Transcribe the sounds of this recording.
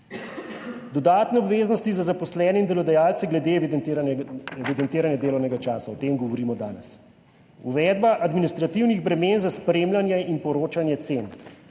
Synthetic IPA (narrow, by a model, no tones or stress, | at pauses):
d̪ɔd̪aːt̪nɛɔbʋeːznɔst̪izazapɔslɛːnɛind̪ɛlɔd̪ajaːlt̪sɛɡlɛd̪e | ɛʋid̪ɛnt̪iːɾanjad̪eːlɔwnɛɡat͡ʃaːsaɔt̪eːmɡɔʋɔɾiːmɔd̪aːnɛs | uʋɛːd̪baʔad̪minist̪ɾat̪iwniɣbɾɛmeːnzaspɾeːmlanjɛinpɔɾoːt͡ʃanjɛt̪sen